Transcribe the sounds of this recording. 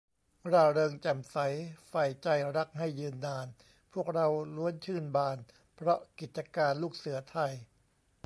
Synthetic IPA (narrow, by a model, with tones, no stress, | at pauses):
ɾaː˧˩ɾɤː˧ŋt͡ɕa˨˩msa˩˦jfa˧˩jt͡ɕa˧˩jɾa˦˥k̚ha˥˩jːɯː˧nːaː˧n | pʰu˥˩ək̚ɾa˧wlu˦˥ənt͡ɕʰɯː˥˩nbaː˧n | pʰɾɔ˦˥ki˨˩t̪̚t͡ɕa˧kaː˧nluː˥˩k̚sɯ˩˦ɐt̪ʰa˧j